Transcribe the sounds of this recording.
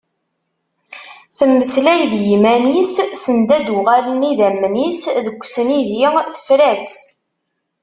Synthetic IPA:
θəmːəslæjðjimænisːənd̪æd̪ʊʁaləniðæmːnisðəkʷːsniðjɪθə̥fɾæds

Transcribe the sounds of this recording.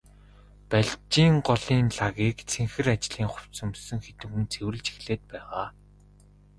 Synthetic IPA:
pæɮt͡ɕiːŋɢɔɮiːnɮaɣiːkt͡sʰeŋxɘ̆rat͡ɕ̆ɮiːŋχʊw̥t͡sɵ̆msɵ̆ŋxet̪ɘ̆kunt͡sʰewɘ̆ɮt͡ɕi̥xɮeːt̪̚pæːʁaː

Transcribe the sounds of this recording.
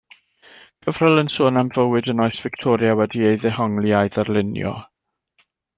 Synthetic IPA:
ɡ̥ʰəvrəlˠənsoːnamvəwɨdənɔɨsv̥ɪktʰɔːɾjawɛdiejðɛhɔŋlˠiajðərlˠɪnjɔ̰

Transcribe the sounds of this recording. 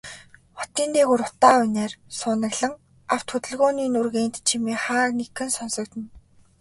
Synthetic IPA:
χɔ̥t̪iːnt̪eːɣuɾʊt̪aːʊneːrsʊːnə̆ɣɮə̆ŋ | aw̥t̪xɵt̪ɘ̆ɮɣoːniːnurɣeːnt̪t͡ɕʰimeːχaːrnekɘ̆nsɔnsɞ̆k̚t̪ɘ̆n

